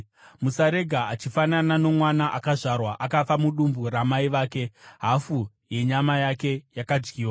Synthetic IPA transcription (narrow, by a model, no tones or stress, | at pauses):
musaɾe̞ɡʱaat͡ʃifananano̞mwanaʔakaʐarwaʔakafamuɗumbuɾamaiʋaːke̞ɦafu | je̞ɲamajake̞jakad͡ʒɡiːwa